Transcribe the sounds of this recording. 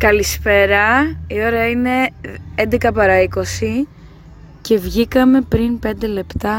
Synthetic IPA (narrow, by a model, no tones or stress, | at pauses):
kɐlispe̞ɾɐio̞ɾɐine̞end̪e̞kɐpɐɾɐiko̞si | ce̞vʝikɐme̞pɾinpe̞nd̪e̞le̞pt̪ɐ